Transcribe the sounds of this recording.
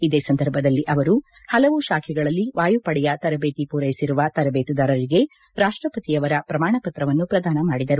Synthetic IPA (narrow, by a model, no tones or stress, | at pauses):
id̪eːsɐnd̪ɐɾbʱɐd̪ɐlːiʔɐʋɐɾuhɐlɐʋuʃaːkʰɛɡɐɭɐlːiʋaːjupɐɽɛjɐt̪ɐɾɐbeːt̪ipuːɾɐjisiɾuʋɐt̪ɐɾɐbeːt̪ud̪aːɾɐɾiɡe̞ | ɾaːʂʈɾɐpɐt̪ijɐʋɐɾɐpɾɐmaːɳɐpɐt̪ɾɐʋɐnːupɾɐd̪aːnɐmaːɽid̪ɐɾu